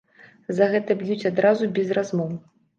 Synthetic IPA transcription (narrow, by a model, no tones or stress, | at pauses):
zɐɣɛt̪ɐbjut͡sʲad̪ɾazubʲɛzrazmɔw